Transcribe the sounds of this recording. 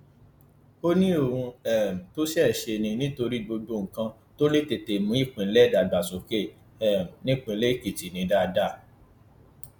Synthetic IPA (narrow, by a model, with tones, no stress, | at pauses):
o˦nĩ˦o˨ɾ̃ũ˧ɛ˨m̩̃˨to˦si˦ɛ˦˨ʃe˧nĩ˧nĩ˦to˧ɾi˦ɡ͡bo˧ɡ͡bo˦˨ŋ̩˨kã˧ | to˦le˦te˧te˨mũ˨˦i˦˨k͡pũ˨n̩˦lɛ˦˨da˨ɡ͡ba˨so˨ke˦˨ | ɛ˨m̩˨nĩ˦k͡pũ˧˦le˦˨ki˨ti˨nĩ˨˧˦da˦˧da˦˨